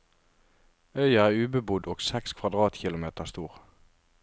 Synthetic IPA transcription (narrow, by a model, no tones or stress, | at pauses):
œʏəæːʁʉːbəbʊd̪oːɡsɛkskʰʋɑd̪ʁɑːt̪çɪlʊmeːt̪əst̪uːʁ